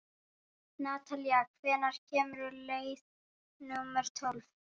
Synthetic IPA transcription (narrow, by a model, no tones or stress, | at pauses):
naːt̪ʰaliakʰvɛːnaɾ̥cʰɛːmʏɾʏlejθ | nʊmɛɾ̥t̪ʰɔlv